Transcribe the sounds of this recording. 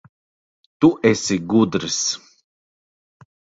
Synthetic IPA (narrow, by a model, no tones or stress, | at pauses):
t̪uʔɛsʲiɡud̪ɾɨs